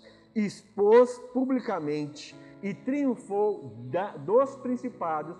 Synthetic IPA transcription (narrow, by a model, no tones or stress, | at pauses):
ispospublikamẽnt͡ʃɪ̥ɪt̪ɾiũfowad̪ospɾĩsipad̪ʊs